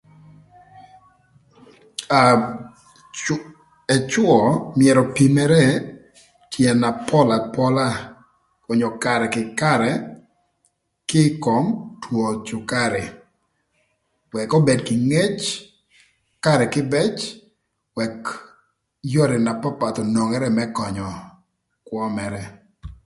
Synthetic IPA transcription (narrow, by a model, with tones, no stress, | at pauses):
a | ɛ˨t͡ʃwɔ˨mɪɛ˨ɾɔ˨pi˨mɛ˦ɾɛ˦ | t͡ʃjɛ˨na˨pɔ˦la˨pɔ˦la˦ | ɔ˨ɲɔ˨ka˨ɾɛ˨kɪ˨ka˦ɾɛ˨ | kɪ˦kɔ˨mtwo˨t͡ʃʊ˨ka˦ɾɛ˨ | wɛ˨kɔ˦be˨dkɪ˨ŋe˦t͡ʃ | ka˦ɾɛ˨kɪ˦bɛ˦t͡ʃ | wɛ˨k | jɔ˦ɾɛ˨na˨pa˦pa˨t̪ɔ˨no˨ŋɛ˦ɾɛ˦mɛ˦kɔ˨ɲɔ˨ | kwɔ˦mɛɾɛ˦